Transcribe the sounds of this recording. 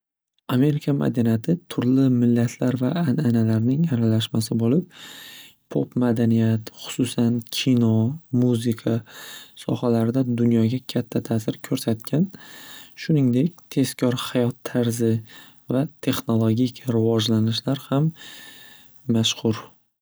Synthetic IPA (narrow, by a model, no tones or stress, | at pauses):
ame̞ɾɪkʰama̰d̪ɪnijat̪ʰɪt̪ʰʊɾlɪmɪlːat̪ʰlaɾvaːnanalaɾnɪŋaɾalaʃmasɪbolɪp̚ | pʰopmad̪anijat̪χʊ̥sʊsankʲʰinɒmuzɪkʰasɒ̰halaɾɪd̪ad̪ʊnjɒɡʲakʲʰat̪ʰːat̪ʰaːsɪɾkʲʰɵɾsat̪̚kʲʰanʃʊnɪŋd̪e̞kʲt̪ʰe̞skʲʰɒɾhajɒt̪ʰːaɾzɪ | vat̪ʰe̞χnolˠoɡʲikʲɾɪvɒd͡ʒlanɪʃlaɾham | aʃqʊɾ